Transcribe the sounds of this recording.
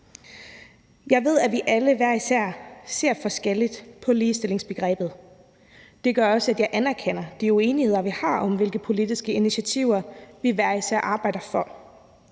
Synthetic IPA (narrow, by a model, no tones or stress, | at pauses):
jɑ̈ɪʋe̝ð̞̰ˠæʋiʔæləʋæɐ̰isæɐ̰se̝ɐ̰fɒ̽sɡ̥el̰id̥pʰɒ̽liːsd̥e̝le̝ŋsb̥e̝ɡ̥ʁɛ̰ːb̥ð̞̩ˠ | d̥e̝ɡ̥ɶɐɒ̽səæd̥jɑ̈ɪʔænæɐkʰen̰ɐd̥iue̝ːnihe̝ð̞̰ˠɐʋihɑ̈ɒ̽mʋe̝lɡ̥əpʰo̝lid̥isɡ̥əiniɕæt͡sʰiʊ̰ɐʋiʋæɐ̰isæɐ̰ʔɑ̈ːb̥ɑ̈ɪ̰d̥ɐfɒ̽